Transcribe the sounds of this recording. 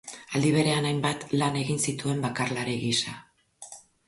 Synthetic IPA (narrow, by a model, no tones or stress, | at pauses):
ald̪iβ̞e̞ɾe̞anajmbat̪lane̞ɣinsit̪ue̞mbakarlaɾeɣisa